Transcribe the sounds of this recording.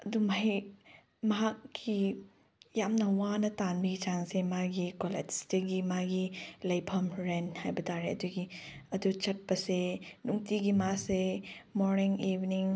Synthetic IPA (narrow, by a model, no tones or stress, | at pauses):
ɐdumaj | mɐɦak̚ʰːi | jamnɐwanɐtanbiɡit͡ʃaŋsemaɡikolḛd͡ʒdɐɡimaɡilɐjpʰɐmɾenhajbɐtʰaɾeɐduɡiɐdut͡ʃɐt̚bɐsenuŋtiɡimasemoɾniŋibniŋ